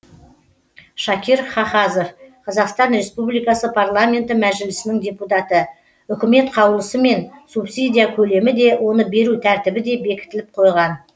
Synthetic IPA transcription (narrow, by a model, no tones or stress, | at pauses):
ʃɑkʲʰiɾχɑχɑzo̞fqʰɑzɑqst̪ɑnɾe̞spublijkɑsəpʰarlˠamʲe̞nt̪ɪmæʒɪlɪsɪnɪŋd̪ʲe̞put̪ɑt̪ə | ʏkʲɪme̞t̪qʰɑwəlˠəsəme̞nsupsid̪ʲijakʲʰɵle̞mɪd̪e̞wo̞nəbe̞ɾut̪ʰæɾt̪ɪbɪd̪e̞be̞kʲɪ̥t̪ɪlɪp̚qʰo̞jʁɑn